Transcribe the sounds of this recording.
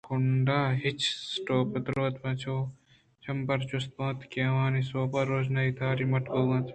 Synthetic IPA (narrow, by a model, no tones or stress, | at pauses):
kʰʊɳɖaːɦit͡ʃsʈoːpəd̪ɾoːt̪ʋɐ̃t͡ʃʰoː | t͡ʃʰɐmpɐɾt͡ʃʊst̪̚mõːt̪keːʋãːnisoːpɐɾoːd͡ʒnait̪ʰaːɾimɐʈkoːʋãt̪ʰ